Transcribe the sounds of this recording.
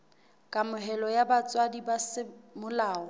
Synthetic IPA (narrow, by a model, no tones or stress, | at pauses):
kʼamʊɦɛlɔjabat͡sʼwadibasɪmʊlaːɔ